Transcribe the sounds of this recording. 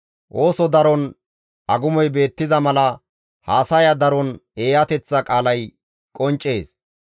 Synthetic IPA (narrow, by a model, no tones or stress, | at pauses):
ʔo̞ːsɔd̪ɐɾɔn | ʔɐɡʊmɔjbe̞ːt̪ːɪzɐmɐlɐ | haːsɐjɐd̪ɐɾɔne̞ːjɐt̪ɛt͡sːɐkʼaːlɐj | kʼɔnt͡ʃʼːe̞ːs